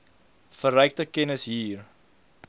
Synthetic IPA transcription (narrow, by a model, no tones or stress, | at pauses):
fəɾœjk̚təkɛnəsɦiːr